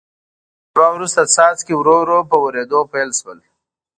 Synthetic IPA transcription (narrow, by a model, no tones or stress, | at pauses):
ɾɑwɾust̪asɑt͡skewɾoɾopəwəɾed̪opajlʃwəl